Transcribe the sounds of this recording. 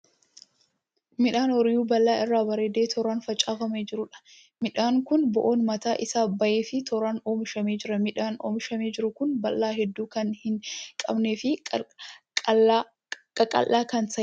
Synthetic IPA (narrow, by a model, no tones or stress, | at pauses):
mɪᶑaːnɔɾɪjuːbɐlːaːʔɪrːaːbɐɾeːd̪eːt̪ʰɔɾaːnfɐt͡ʃʼaːɣɐmeːd͡ʒɪɾʊᶑɐ̥ | mɪᶑaːŋkʊnbɔʔo̞ːnmɐt̪aːʔɪsaːbɐʔeːfɪt̪ɔɾaːno̞ːmɪʃɐmeːd͡ʒɪɾɐmɪᶑaːno̰ːmɪʃɐmeːd͡ʒɪɾʊkʊnbɐlːaːɦɛd̪ːuːkɐnhɪŋkʼɐ̰bneːfɪ | kʼɐkʼɐ̰lʔːaːkɐnsɐ